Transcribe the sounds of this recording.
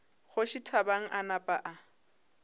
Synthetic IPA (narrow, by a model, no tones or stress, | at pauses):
χʊʃitʰabaŋ̩ʔanapʼaʔa